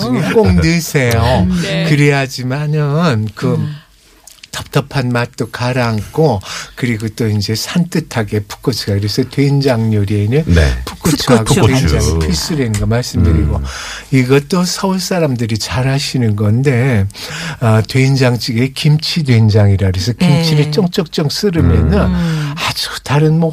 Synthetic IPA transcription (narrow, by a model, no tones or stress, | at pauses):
ɡek͈oŋnɯsʰe̞jokɯɾeɦad͡ʑimanɯnkɯ | tʌp̚t͈ʌpʰanmat̚t͈okaɾaŋkʰokɯɾiɡot͈oind͡ʑe̞sʰant͈ʰɯtʰaɡe̞pʰu̥k͈ɯt͡ɕʰɯɡakɯɾe̞sʰʌtweind͡ʑaŋɲoɾie̞nɯn̰pʰu̥k͈ut͡ɕʰɯɡaɡenaŋipʰis͈ɯɾenɯnɡʌmaɭs͈ɯmdɯɾiɡoiɡʌt͈osʰʌuɭs͈aɾamdɯɾit͡ɕaɾɦaɕʰinɯnɡʌnde̞ | ʌtweind͡ʑaŋt͡ɕʰiɡe̞kimt͡ɕʰidwe̞nd͡ʑaŋiɾaɾesʰʌkimt͡ɕʰiɾet͡ɕ͈ʌŋt͡ɕ͈ʌk̚t͡ɕ͈ʌŋs͈ɯɾɯmjʌ̰nɯnad͡ʑu̥taɾɯnmʌ